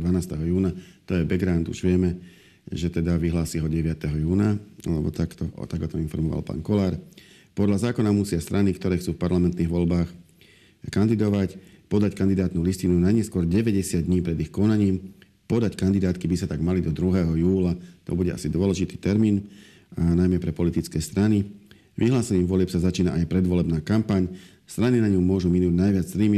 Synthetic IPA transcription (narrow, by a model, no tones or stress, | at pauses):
d̪ʋanaːst̪ɛɦɔjuːnat̪ɔjɛbɛɡɾant̪ṵʒʋɪɛmɛ | ʒɛt̪ɛd̪aʋiɦlaːsiɦɔɟɛʋɪat̪ɛɦɔjuːna̰lɛbɔ̰t̪akt̪ɔ̰t̪aɡɔt̪ɔinfɔɾmɔʋa̰lpa̰ːŋkɔlaːɾ | pɔd̪ʎazaːkɔnamusɪast̪ɾʔanikt̪ɔɾɛːxt͡suːfpaɾlamɛnt̪niːɣʋɔlbaːx | kand̪id̪ɔʋacpɔd̪ackand̪id̪aːt̪nuliscinunaɲɛskʊɔɾɟɛʋɛɟɛsɪad̪ɲiːpɾɛd̪ixkɔnaɲiːm | pɔd̪ackand̪id̪aːt̪kibisat̪aɡmalid̪ɔd̪ɾuɦɛːɦɔjuːlat̪ɔ̰buɟɛʔa̰sid̪ʊɔlɛʒit̪i̥ːt̪ɛɾmiːn | najmɛpɾɛpɔlit̪it͡skɛːst̪ɾani | ʋʔiɦlaːsɛɲiːmʋɔlɪɛpsazat͡ʃiːnaʔajpɾɛd̪ʋɔlɛbnaːkampaɲ | st̪ɾaninaɲumʊɔʒuminuːɟnajʋɪad͡z̪ɾiːmi